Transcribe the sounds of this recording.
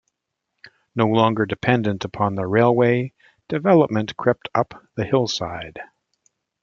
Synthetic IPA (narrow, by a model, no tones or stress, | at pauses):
noʊlɔ̃ŋɡə˞dɨpʰɛ̃ndɨ̃ntəpʰɑ̃nðəɹeɪlˠweɪ | d̥ɨvɛlˠəp̚mɨ̃nkʰɹ̥ɛp̚tʰʌpðɨhɪlˠsaɪd̥